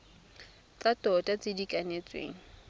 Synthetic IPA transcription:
t͡satɔtʼat͡sɪdikʼanet͡sʼwḛːŋ̩

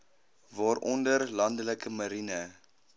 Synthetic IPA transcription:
vɑːɾʔɔndərlɐndələkəmɐɾinə

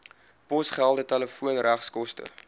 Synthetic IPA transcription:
pɔsχælˠdətɛləfuənræχskɔstə̰

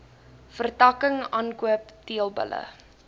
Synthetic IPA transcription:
fərtɐkəŋɑːnkuəptiəlˠbə̰lə̰

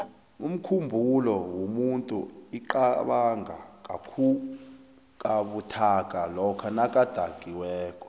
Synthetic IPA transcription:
um̩kʰumbʱulɔwomuntʼṵiǃaɓaŋʱa̰kʼakʰu | kʼaɓutʰak̬ʼalɔkʰanakʼad̥ʱakʼiwɛːkʼɔ̥

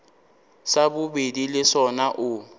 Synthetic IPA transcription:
sabʊbedilɪsɔnaʔʊ

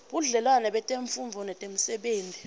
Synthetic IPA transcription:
ɓuɮɛlwanɛɓɛtʼeɱfuɱvʱɔnɛtʼem̩sɛɓeːnd͡zʱi

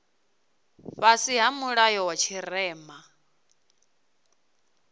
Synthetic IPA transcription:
βasiɦamuɺajɔwat͡ʃʰiɾɛːma

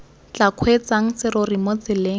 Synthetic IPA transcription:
t͡ɬakʰwet͡saŋ̩sɪɾorimot͡sɪleː

